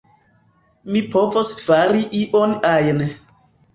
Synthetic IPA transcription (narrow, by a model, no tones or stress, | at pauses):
mipovosfaɾiʔiʔonajn